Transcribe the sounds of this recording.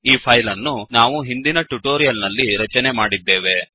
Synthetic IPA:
iːpʰɐjlɐnːunaːʋuɦind̪inɐʈuʈoːɾijɐlnɐlːiɾɐt͡ʃɐnemaːɽid̪ːe̞ːʋe̞

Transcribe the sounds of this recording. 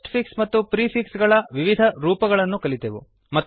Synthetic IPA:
ʈpʰiksmɐt̪ːupɾiːpʰiksɡɐɭɐʋiʋid̪ʱɐɾuːpɐɡɐɭɐnːukɐlit̪eʋṵ | mɐt̪ː

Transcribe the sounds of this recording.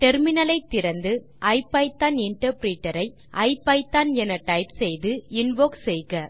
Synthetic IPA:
ʈɛɾmɪnɐlɐɪt̪ːɪɾɐnd̪ɯ | ʔɐɪpːɐɪt̪ːaːnɪɳʈɐɾpɾiːʈːɐɾɐɪ | ʔɐɪpːɐɪt̪ːaːnɛnɐʈɐɪpsɛjðɯɪnʋoːksɛjɣɐ

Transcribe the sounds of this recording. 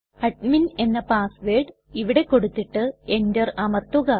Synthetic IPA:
ɐʈ̚mine̞nːɐpaːsʋeːɖ | iʋiɽe̞ko̞ɽut̪ːiʈːɨe̞ndɐrɐmɐrt̪ːuɣɐ

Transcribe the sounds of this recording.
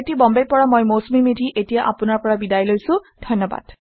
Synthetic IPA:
etibɔmbepɔɹamojmosmimidʱiʔetijaʔapunaɹpɔɹabidajlojsũdʱɔjnːɔba̰d̥

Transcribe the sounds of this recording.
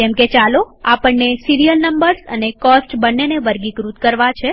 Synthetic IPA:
kɛmket͡ʃalo | apəɳːesiɾijəlnəmbəɾsənekɔsʈbənːeneʋəɾɡikɾut̪kəɾʋat͡ʃʰe

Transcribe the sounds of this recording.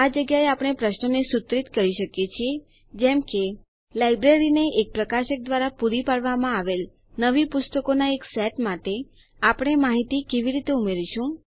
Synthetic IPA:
ad͡ʒəɡjaeapɽ̃epɾəʃnonesʊt̪ɾit̪kəɾiʃəkjet͡ʃʰie | d͡ʒɛmke | lajbɾeɾineʔek̚pɾəkaʃək̚d̪ʋaɾapuɾipaɽʋamãaʋel | nəʋipʊst̪əkonaeksɛʈmaʈe | apɽ̃emaɦit̪ikeʋiɾit̪eumeɾiʃũ

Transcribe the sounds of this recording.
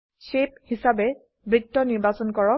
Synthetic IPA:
sep̚hisabɛ | bɹik̚tɔniɹbasɔnkɔɹɔ

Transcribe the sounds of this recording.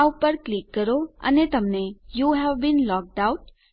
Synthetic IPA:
upəɾklikːəɾoə̰net̪əmnejuɦɛʋbĩnlɔk̚ʈaʊʈ̚

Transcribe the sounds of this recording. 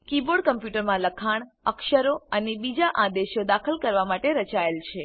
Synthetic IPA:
kiboɖ̚kəmpjuʈəɾmãləkʰaɳ̃əkʃəɾoənebid͡ʒaʔãd̪eʃod̪akʰəlkəɾʋamaʈeɾət͡ʃaelt͡ʃʰe

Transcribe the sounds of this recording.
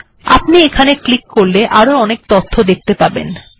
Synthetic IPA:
a̰pniekʰaneklikːoɾleʔaɾoɔnek̚t̪ot̪ʰːod̪ek̚t̪epaɾbḛn

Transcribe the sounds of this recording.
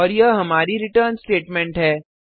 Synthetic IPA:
ɔːɾjɐɦɐmaːɾiɾɪʈəːɾnsʈeːʈmɛ̃ɳʈɦɛː

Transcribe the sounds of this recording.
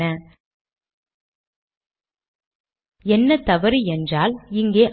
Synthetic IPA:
ɐ | ɛnːɐt̪ɐʋɐɾiɛndraːlɪŋɡeːʔ

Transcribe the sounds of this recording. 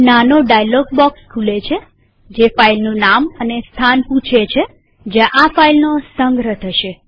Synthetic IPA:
nanoɖajlɔɡ̚bɔkskʰulet͡ʃʰe | d͡ʒefailnũnamənest̪ʰanpũt͡ʃʰet͡ʃʰe | d͡ʒaʔafailnosəŋɡɾət̪ʰəʃe

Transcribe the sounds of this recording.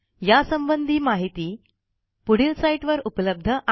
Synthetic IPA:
jasəmbənd̪ʱiːmaɦit̪iː | puɽiːlsaiʈʋəɾupələb̚d̪ʱəʔ

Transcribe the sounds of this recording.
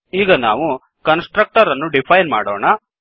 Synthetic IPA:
iːɡɐna̰ːʋu | kɐnsʈɾɐk̚ʈɐɾɐnːuɖipʰɐjnma̰ːɽoːɳɐ

